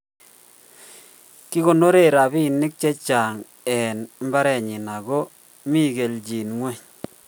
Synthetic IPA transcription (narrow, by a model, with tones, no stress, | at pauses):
kɪ˦ɣo˨no˦ɾe˦˨ɾa˨bi˦˨nɪ˦k̚t͡ʃɛ˦t͡ʃa˨ŋ | ɛ˨nm˦ba˦ɾɛ˨ɲɪ˨na˨ɡɔ˦ | mi˦˨ɡe˨ld͡ʒi˨nŋwɛ˦ɲ